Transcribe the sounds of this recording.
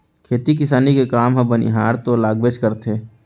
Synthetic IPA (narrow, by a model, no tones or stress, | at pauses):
kʰeːt̪ikɪsaːnikekaːmɦə̃bənḭɦaːɾt̪olaːɡʋeːt͡ʃkəɾt̪eː